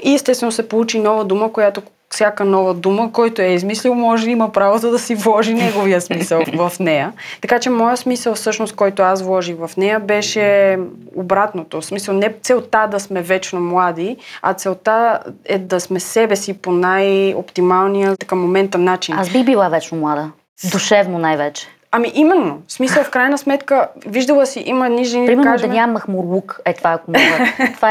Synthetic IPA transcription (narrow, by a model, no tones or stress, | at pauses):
iɛst̪ɛst̪vɛnosɛpolˠut͡ʃinɔvəd̪uməkojat̪o | sʲjakənɔvəd̪uməkɔjt̪oɛizmislʲilˠmɔʒɛiməpɾavozəd̪ɐsivlˠɔʒinɛɡovijəsmisəlˠvɐfnɛjət̪ɐkat͡ʃɛmɔjəsmisəlˠfsɤʃnost̪kɔjt̪oasvlˠɔʒixvɐfnɛjəbɛʃɛ | obɾat̪not̪osmisəlˠnɛt̪sɛlˠt̪ad̪ɐsmɛvɛt͡ʃnomlˠad̪iɐ̰t̪sɛlˠt̪aɛd̪ɐsmɛsɛbɛsiponajo̰pt̪imalˠnijət̪ɐkəmomɛnt̪ɐnːat͡ʃinasbiɣbilˠavɛt͡ʃnomlˠad̪ə | d̪uʃɛvnonajvɛt͡ʃɛ̥ | ɐmiʔimɛnːosmisəlˠfkɾajnəsmɛt̪kəviʒd̪əlˠəsiʔiməɛd̪niʒɛniɾimɛɾkaaʒd̪ɐnʲamɐxmoɾlˠukɛt̪vakʊmva